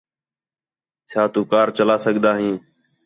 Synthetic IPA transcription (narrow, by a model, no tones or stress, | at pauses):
t͡ʃʰaːt̪uːkaːɾt͡ʃəlaːsəɠd̪aːɦĩː